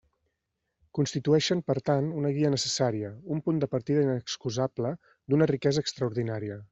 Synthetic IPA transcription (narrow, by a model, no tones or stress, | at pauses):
kunst̪it̪uɛʃəmpəɾt̪anunəɣiənəsəsaɾiəumpund̪əpəɾt̪iðəinəkskuzablə | d̪unərikɛzəːkst̪ɾəuɾðinaɾiə